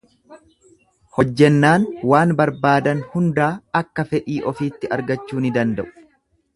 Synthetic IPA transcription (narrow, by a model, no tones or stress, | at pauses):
hɔd͡ʒːɛnːaːnwaːnbɐɾbaːd̪ɐnhʊnd̪aːɐkːɐfɛʔiːʔɔfiːt̪ːɪɐɾɡɐt͡ʃːuːnɪd̪ɐnd̪ɐʔʊ̥